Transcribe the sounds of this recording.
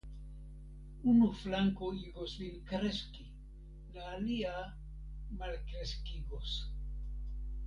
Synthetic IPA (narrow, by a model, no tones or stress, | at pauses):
unuflaŋkoiɡo̞slinkɾeski | laːlia | malkɾeskiɡo̞s